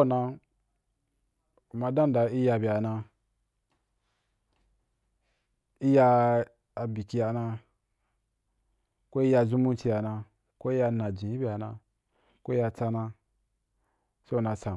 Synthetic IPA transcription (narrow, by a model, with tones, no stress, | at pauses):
nã˧ | u˨ma˧dã˦n˨da˧˨i˦ja˧bi˨a˨nã˧ | i˦jaː˧ | bi˨ki˧ja˨nã˧ | ko˦i˦ja˧zu˦mũ˦t͡ʃi˧ja˨nã˧ | ko˦i˦ja˧nã˨d͡ʒĩ˨ji˦bʲi˨a˨nã˧ | ko˦i˦ja˧t͡sa˧nã˧ | se˦u˨nã˧t͡sa˨